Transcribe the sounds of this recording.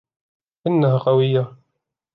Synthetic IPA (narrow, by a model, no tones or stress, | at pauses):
ʔɪnːaɦaqɑwɪjːa